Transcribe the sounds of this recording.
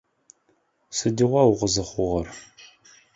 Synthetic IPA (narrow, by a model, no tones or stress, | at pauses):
sɨdiʁʷɑwʊʁəzɨχʷʊʁɐr